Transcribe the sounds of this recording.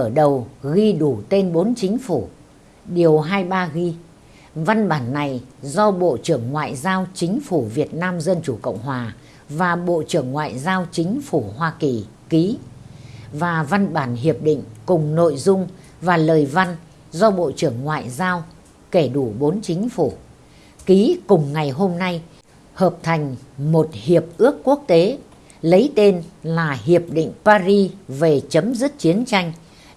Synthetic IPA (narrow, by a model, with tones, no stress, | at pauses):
əː˧˩ɗə˨˩wɣi˧ɗu˧˩t̪e˧nɓo˨˦nt͡ɕï˨˦ŋ̟fu˧˩ | ɗi˨˩əwɦaː˧jɓaː˧ɣi˧ | va˧nɓaː˧˩nːa˨˩jzɔ˧ɓo̰˧˨t͡ɕɨ˧˩əŋŋwa̰ː˧˨jzaː˧wt͡ɕï˨˦ŋ̟fu˧˩vi˨˩ət̚naː˧mzə˧nt͡ɕu˧˩kə̰˧˨wŋ͡mɦwaː˨˩ | vaː˨˩ɓo̰˧˨t͡ɕɨ˧˩əŋːwa̰ː˧˨jzaː˧wt͡ɕï˨˦ŋ̟fu˧˩hwaː˧ki˨˩ | ki˨˦ | vaː˨˩va˧nɓaː˧˩nɦi˨˩əp̚ɗḭ̈˧˨ŋ̟kʊ˨˩ŋ͡mno̰˧˨jzʊ˧ŋ͡m | vaː˨˩ləː˨˩jva˧n | zɔ˧ɓo̰˧˨t͡ɕɨ˧˩əŋːwa̰ː˧˨jzaː˧w | ke˧˩ɗu˧˩ɓo˨˦nt͡ɕï˨˦ŋ̟fu˧˩ | ki˨˦kʊ˨˩ŋ͡mŋa˨˩jɦo˧mna˧j | həː˨˩p̚t̪ʰa˨˩jŋ̟mo˨˩t̚hi˨˩əp̚ʔɨ˦˥əkːu˦˥ək̚t̪e˨˦ | lə˨˦jt̪e˧nlaː˨˩ɦi˨˩əp̚ɗḭ˧˨ŋ̟paː˧zi˧ve˨˩t͡ɕə˨˦mzɨ˦˥t̚t͡ɕi˨˦ənt͡ɕa˧jŋ̟